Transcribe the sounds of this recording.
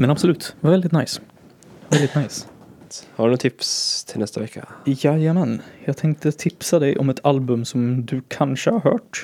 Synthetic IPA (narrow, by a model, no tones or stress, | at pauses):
mɛnɑbsɔlʉt̪ːʋɑɾvɛlɪt̪naɪs | ʋɛld̪ɪt̪naɪs | haɖʉnʊt̪ʰɪpst̪ʰɪlɛst̪əʋɛkːə̰jæɪjəmɛnjæɪt̪ʰɛŋk̚t̪ət̪ʰɪpsad̪ɛɪʔɔmɛt̪ʰɑlbʉmsɔmd̪ʉkʰɑnʂəhɑɾɦø̰ːʈ